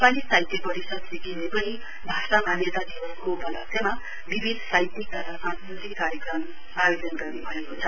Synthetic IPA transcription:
nepalisajt̪epʌɾisʌd̪sikinepʌnĩ | bʱasamanjʌt̪ad̪iʌskobʱʌlʌ̰t̪ema | bibʱinsajt̪ik̪ʌɾʌsãnsɾut̪ikaɾjʌkrʌm | ajod͡zʌnɡʌrnubʱʌekot͡sʰʌ

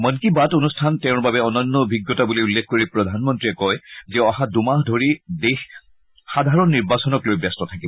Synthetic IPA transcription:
mənkibatonustʰantɛʊ̃ɹbabɛɔnɔnːɔbʱiɡjɔtabuliulːexʰkoɹipɹɔdʱanmɔntɹiɛkɔjzɛɔɦadumaɦdʱoɹidex | xadʱaɹɔnːiɹbasɔnɔklojbjɛstɔtʰakibɔ

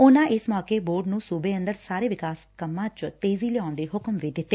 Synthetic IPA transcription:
ʊnãːʔɪsmɔːkeːboːɾɖnũːsuːbeːə̃nd̪əɾsaːɾeːʋɪkaːskəmːãːt͡ʃt̪eːziːlɛãːnd̪eːɦʊkmʋiːd̪ɪt̪ːeː

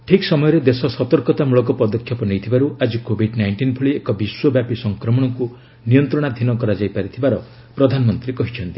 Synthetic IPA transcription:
ʈʰiksɔmɔjɔɾed̪esɔsɔt̪ɔɾkɔt̪amuɭɔkɔpɔd̪ɔkʰːjɔpɔnejt̪ʰibaɾuad͡ʒikobʱiɖnajɳʈinpʰuɭiekɔbiswɔbjapisɔŋkɾɔmɔɽ̃ɔku | nijɔnt̪ɾɔɽ̃ad̪ʱinɔkɔɾad͡ʒajpaɾit̪ʰibaɾɔ | pɾɔd̪ʱanɔmɔnt̪ɾikɔɦit͡ʃʰɔnt̪i

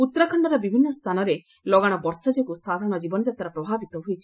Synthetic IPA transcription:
ut̪ːɾakʰɔɳɖɔɾɔbibʱinːɔst̪ʰanɔɾe | lɔɡaɽ̃ɔbɔɾsɔd͡ʒɔkusad̪ʱaɾɔɽ̃ɔd͡ʒibɔnɔd͡ʒat̪aɾɔpɾɔbʱabit̪ɔɦujt͡ʃʰi̥

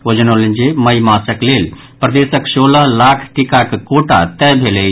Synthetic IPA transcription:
od͡ʒənolend͡ʒeməjmasəklel | pɾəd̪esəksolalakʰʈikakkoʈa̰t̪ɛbʱele

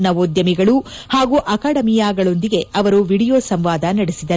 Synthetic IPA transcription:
nɐʋoːd̪jɐmiɡɐɭuhaːɡuːʔɐkaːɽɐmijaːɡɐɭo̞nd̪iɡe̞ɐʋɐɾuʋiɽijoːsɐmʋaːd̪ɐnɐɽesid̪ɐɾ

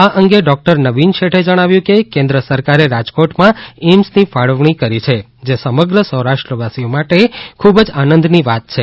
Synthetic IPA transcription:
aʔəŋɡeɖɔk̚ʈəɾnəʋinʃeʈʰed͡ʒəɽ̃aʋjũkekẽnd̪ɾəsəɾkaɾeɾad͡ʒkoʈmãemsnifaɭəʋɳ̃ikəɾit͡ʃʰe | d͡ʒesəməɡɾəsəɦɾaʃʈɾəʋasiomaʈekʰubd͡ʒanə̃nd̪ʱniʋat̪̚t͡ʃʰe

